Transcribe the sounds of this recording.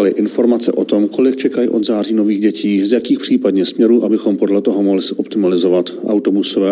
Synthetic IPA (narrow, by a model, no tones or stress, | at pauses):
lɪʔɪnfo̞ɾmat͡sɛ̰ʔo̞t̪o̞mko̞lɪk̚t͡ʃɛkajɪʔo̞d̪zaːriːno̞viːɣɟɛciːzjakiːxpr̥iːpadɲɛsmɲɛɾuːʔabɪxo̞mpo̞dlɛt̪o̞ɦomɦlɪsʔopt̪ɪmalɪzo̞vat̪ʔa̰wt̪o̞busovɛː